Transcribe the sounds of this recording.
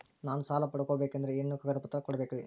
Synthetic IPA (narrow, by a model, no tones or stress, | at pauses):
naːnusaːlɐpɐɽɐkoːbeːkɐnd̪ɐɾeinːukɐɡɐd̪ɐpɐt̪ːɾɐkɔɽɐbekiʋi